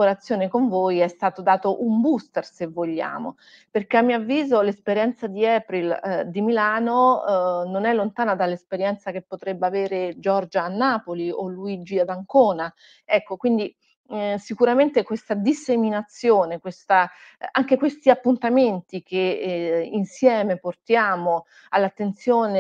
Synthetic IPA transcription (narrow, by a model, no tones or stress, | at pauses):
oɾat̪sːjoːnekoɱvoːjɛst̪aːt̪od̪aːt̪oʔumbust̪ersevːoʎːa̰ːmo̰ | perk̟eamːioavːiːzolespeɾjɛnt̪sad̪iɛpɾild̪imilaːnononɛlːont̪aːnad̪alːespeɾjɛnt̪sak̟epːot̪ɾebːaveːɾed͡ʒɔrd͡ʒaːnːaːpolioluid͡ʒiad̪aŋkoːna | ɛkːokwind̪i | sikuɾament̪ekwest̪ad̪isːeminat̪sːjoːnekwest̪a | aŋkekwest̪iapːunt̪ament̪ik̟einsjɛːmeport̪jaːmo | alːat̪ːent̪sjoːne